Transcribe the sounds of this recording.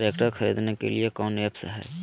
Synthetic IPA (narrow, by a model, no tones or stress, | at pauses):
ɾekʈəɾkʰəɾid̪nekḛliekɔːnepsəɦɛ̰